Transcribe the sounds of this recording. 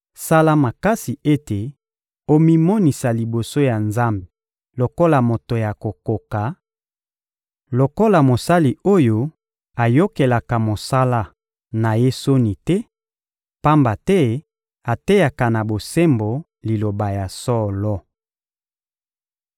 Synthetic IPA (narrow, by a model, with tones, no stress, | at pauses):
sa˦la˦ma˨ka˦si˨e˦te˨ | o˦mi˦mo˦ni˨sa˨li˨bo˨so˦ja˨nza˦mbe˨ | lo˨ko˦la˨mo˨to˨ja˨ko˨ko˨ka˨ | lo˨ko˦la˨mo˨sa˦li˨o˦jo˦ | a˨jo˦ke˨la˨ka˨mo˨sa˦la˦ | na˨je˦so˦ni˨tɛ˦ | pa˦mba˨tɛ˦ | a˨te˦ja˨ka˨na˨bo˨se˦mbo˨ | li˨lo˨ba˨ja˨sɔ˦lɔ˦